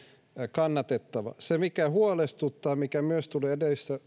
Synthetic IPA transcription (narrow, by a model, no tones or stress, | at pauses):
kɑnːɑt̪et̪ːɑʋɑ̰semikæhuolest̪ut̪ːɑːmikæmyøst̪uleːedesːæ